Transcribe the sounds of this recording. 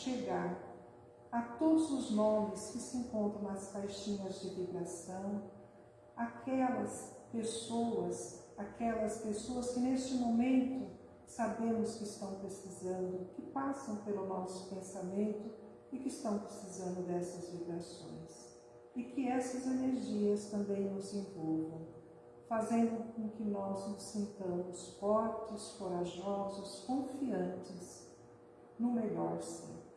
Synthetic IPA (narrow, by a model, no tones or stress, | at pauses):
ʃeɡaɾ | ɐt̪od̪ʊzʊznõmɾɪskɪsɪẽŋkõnt̪ɾɐ̃w̃nɐsfajʃĩɲɐzd͡ʒɪvibɾasɐ̃w̃ | akʰɛlɐspesowɐs | akɛlɐspesoɐskɪnest͡ʃɪmomẽnt̪ʊ | sabẽmʊskɪːst̪ɐ̃w̃pɾesizɐ̃nd̪ʊkɪpasɐ̃w̃pelʊmawsʊ̥pẽsamẽnt̪ʊ | ɪkɪːst̪ɐ̃w̃pɾesizɐ̃nd̪ʊd̪ɛsɐzvibɾasõ̰j̃s | ɪkɪɛsɐzeneɾʒiɐst̪ɐ̃mbẽj̃nʊzẽvowvɐ̃w̃ | fazẽnd̪ʊkõkɪnɔznʊsĩnt̪ɐ̃mʊsfɔɾt͡ʃɪsfoɾaʒɔzɐskõfiɐ̃nt͡ʃɪs | nʊmeʎɔɾsḛ